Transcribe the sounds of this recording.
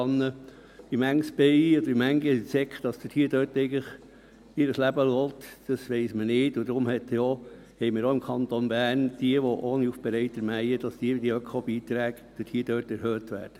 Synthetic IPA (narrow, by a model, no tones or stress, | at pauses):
ɑnːə | imæŋsb̥ɛɪɔd̥̪əimæŋɡəisɛkχd̥ɑsd̥̪ɪthiəd̥œːɾtɛɪɡləχ | ɪɾəslæbəlɔːtd̥ɑsʋɛɪsmənɪːtʊd̥̪ɾʊmhɛt̪jo | hɛɪjməɾɔɪmkʰɑnt̪onbæːɾnd̥iəʋɔʔoːniufb̥ɛɾɛɪtɛɾmæjəd̥ɑsd̪̥iədiəœkχobiːt̪ɾæːɡ | d̥əthiːd̥øːtɛɾhøːt̪ʋæ̰ːɾd̥ə̥